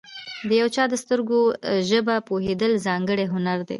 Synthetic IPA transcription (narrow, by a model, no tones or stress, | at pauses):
d̪əjawt͡ʃɑd̪əst̪əɾɡoʒəbapoɦed̪əlzɑŋɡəɽeɦʊnaɾd̪ḛ